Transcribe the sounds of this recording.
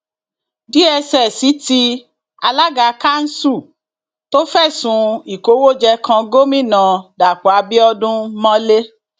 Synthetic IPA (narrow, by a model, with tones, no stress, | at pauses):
di˦ɛ˧sɛ˨si˨˦ti˧˦ | a˧la˦ɡa˧ka˦n̩˦su˦˨ | to˦fɛ˦˨sũ˨˧i˨ko˨˦wo˦˨d͡ʒɛ˧kã˧ɡo˦mĩ˦˨nã˨da˨k͡pɔ˨a˧˦bi˦ɔ˧dũ˦mã˦le˦